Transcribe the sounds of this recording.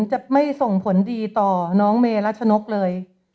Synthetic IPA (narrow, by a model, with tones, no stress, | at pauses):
ŋt͡ɕa˨˩ma˥˩jso˨˩ŋpʰo˩˦ndiː˧t̪ɔː˨˩nɔː˦˥ŋmeː˧la˦˥t̪̚t͡ɕʰa˧no˦˥k̚lɤː˧j